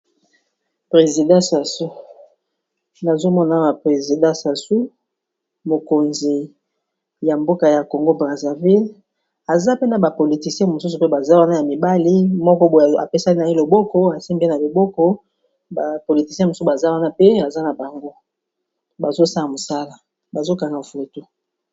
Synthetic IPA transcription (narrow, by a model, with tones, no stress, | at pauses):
pʁe˨zi˨dã˦sa˨su˦ | na˨zo˦mɔ˦na˨ba˨pʁe˨zi˨dã˦sa˨su˦ | mo˨ko˨nzi˨ | ja˨mbo˦ka˨ja˨ko˨ŋɡo˦bʁa˨za˨vi˦l | a˨za˦pe˦na˨ba˨po˨li˨ti˨sijɛ̃˦˨mo˨su˦su˨pe˦ba˨za˦wa˦na˦ja˨mi˨ba˦li˦mɔ˦kɔ˦bo˨a̰˨pe˦sa˦i˦na˨e˦lo˨bɔ˦kɔ˦a˨si˦mbɛ˦na˨lo˨bɔ˦kɔ˦ | ba˨po˨li˨ti˨sijɛ̃˦mo˨su˦˨ba˨za˦wa˦na˦pe˦a˨za˦na˨ba˨ŋɡo˦ | ba˨zo˦sa˦la˨mo˨sa˦la˨ | ba˨zo˦ka˨ŋɡa˨fe˨to˦